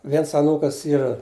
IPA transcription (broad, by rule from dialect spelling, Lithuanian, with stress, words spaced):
ˈʋʲiɛns ɐˈnuːkɐs ˈiːrɐ